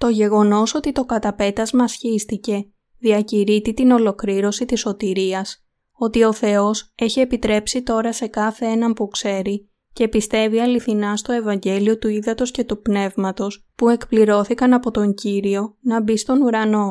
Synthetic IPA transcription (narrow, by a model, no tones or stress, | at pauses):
t̪o̞ʝe̞ɣo̞no̞so̞t̪it̪o̞kɐt̪ɐpe̞t̪ɐzmɐsçist̪ice̞ | ðiɐciɾit̪it̪ino̞lo̞kɾiɾo̞sit̪iso̞t̪iɾiɐs | o̞t̪io̞θe̞o̞se̞çie̞pit̪ɾe̞psit̪o̞ɾɐse̞kɐθe̞enɐmpukse̞ɾi | ce̞pist̪e̞viɐliθinɐst̪o̞e̞vɐɲɟe̞lio̞t̪uiðɐt̪o̞sce̞t̪upne̞vmɐt̪o̞s | pue̞kpliɾo̞θikɐnɐpo̞t̪o̞ɲɟiɾio̞nɐbist̪o̞nuɾɐno̞